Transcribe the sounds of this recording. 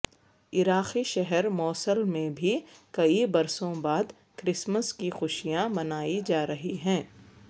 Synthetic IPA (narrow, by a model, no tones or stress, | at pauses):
ɪɾaːxiʃɛɦɛɾmɔːsəlmẽbʱikɐibɐɾsõbaːd̪ | kɾɪsməskixʊʃijãmɐnaːid͡ʒaːɾɐɦiɦɛ̃ː